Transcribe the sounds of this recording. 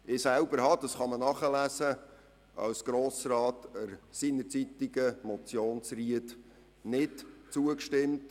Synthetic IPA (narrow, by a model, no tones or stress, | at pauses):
ɪsælbəɾɦɑd̥̪ɑsχɑmənɑχəlæsə | ɑ̰wsɡ̥ɾoːsɾɑːtəɾsinəɾt͡sit̪iɡəmɔt͡sjoːnsriət | nɪtt͡suəkʃtɪmt